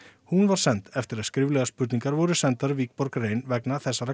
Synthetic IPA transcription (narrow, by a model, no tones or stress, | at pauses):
hunvaɾ̥sɛnt̪ɛft̪ɪɾaðskɾɪvlɛɣaspʏt̪niŋkaɾvɔɾʏsɛnt̪aɾʏviːk̚pɔɾkɾeːjnvɛknaθɛsːaɾa